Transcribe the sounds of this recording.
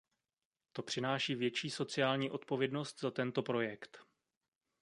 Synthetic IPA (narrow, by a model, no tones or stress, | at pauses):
t̪o̞pr̝̥ɪnaːʃiːvjɛt͡ʃiːso̞t͡sɪjaːlɲiːʔo̞t̪po̞vjɛdno̞st̪zat̪ɛnt̪o̞pɾo̞jɛkt̪